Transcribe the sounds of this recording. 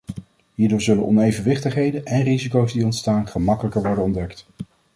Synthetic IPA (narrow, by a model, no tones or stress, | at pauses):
ɦiːɹdʊːɹzɵlənɔ̰nejvənʋɪχtəχɦejdənʔɛnrizikowzdiɔntstaːnχəmɑkələkəɹʋɔɹdənɔndɛkt